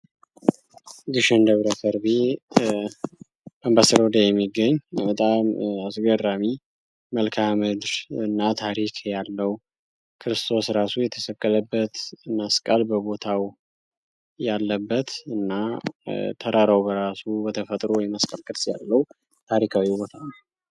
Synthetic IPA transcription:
ɡɨʃənd̪əβɾəfʰəɾbi | bəmbasəɾd̪ajɛmːiɡːəɲːbət̪ʼamasɡəɾami | məlkʰamɨd̪ɾɨnːat̪ʰaɾikʰjalːəw | kʰɨɾɨst̪ʰo̞sɾasujɛt̪ʰəsəkʼːələbːət̪məskʼalbəbo̞t̪ʰaw | jalːəbːət̪ɨnːa | t̪ʰəɾʔaɾawbəɾasubət̪ʰəfət̪ʼɾowjɛməskʼəlkʼːət̪sja̰lːəw | t̪ʰaɾikʰawibot̪ʰanaw

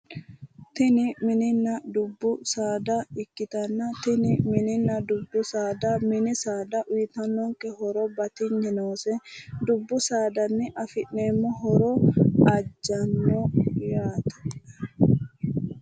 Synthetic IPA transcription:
t̪ɪnɪmɪnɪnːɐd̪ʊbːʊsaːd̪ɐɪkːɪt̪ɐnːɐt̪ɪnɪmɪnɪnːɐd̪ʊbːʊsaːd̪ɐmɪnɪsaːd̪ɐʔʊjɪt̪ɐnːɔŋkːɛɦɔɾɔbɐt̪ɪɲːɛnoːsɛd̪ʊbːʊsaːd̪ɐnːɪʔɐfɪʔne̞ːmːɔɦɔɾɔɐd͡ʒːɐnːɔjaːt̪ɐ̥ɐ

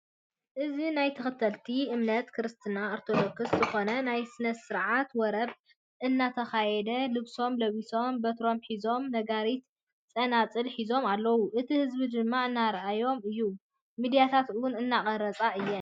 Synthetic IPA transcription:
ʔɨzinajt̪ʰɨxɨt̪ʰːɐlt̪ʰiɨmnɐt̪kʰɨɾɨst̪ʰɨnaoɾt̪ʰo̞d̪okɨszɨxo̞nɐnajsɨnɐsɨɾʕat̪wɔɾɐβ | ʔɨnːat̪ʰɐxajɛd̪ɐlɨβso̞mlɐβiso̞mbɐt̪ɾo̞mħizo̞mnɐɡaɾit̪ | t͡sʼɐnat͡sʼɨlħizo̞malːɐwuʔɨt̪ʰihɨzbid͡ʒ̪ɨmːaʕɨnːaɾʔajo̞mɨjːu | mid̪ijat̪ʰat̪ɨwʊnɨnːakʼɐɾɐt͡sʼaʔɨjːɛ

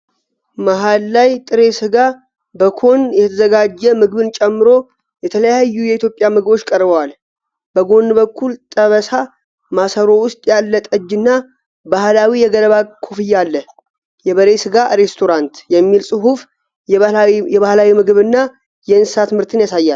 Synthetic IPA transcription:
maɦalːajt̪ʼɨɾe̞sɨɡa | bəkʰo̞njɛt̪ʰəzəɡad͡ʒːɛmɨɡɨβɨnt͡ʃʼɛmːɨɾo̞ | jɛt̪ʰələjajːujɛit̪jo̞pʼjamɨɡɨbo̞t͡ʃːkʼəɾbəwal | bəɡo̞nbəkʰːult̪ʼəβəsa | masəɾo̞wʊst̪ʼjalːət̪ʼəd͡ʒːɨnːa | bahlawijɛɡələβakʰofɨjːalːə | jɛβəɾe̞sɨɡaɾe̞st̪ʰo̞ɾant̪jɛmːilsʼɨɦuf | jɛβahlawimɨɡɨβɨnːa | jɛɨnssat̪ɨmɨɾt̪ʰɨnjasajːal

